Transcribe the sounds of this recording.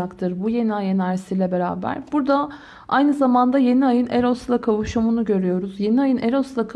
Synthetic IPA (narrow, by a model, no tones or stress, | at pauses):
akt̪ʰɯɾbuje̞niajɯnæɾsiːlʲɛbe̞ɾa̰ːbæ̰ɾbuɾd̪a | a̰jnɯzamand̪aje̞niajɯneɾoslˠakʰavuʃumunuɟø̞ɾyjo̞ɾuzje̞niajɯnʔeɾoslˠakʰ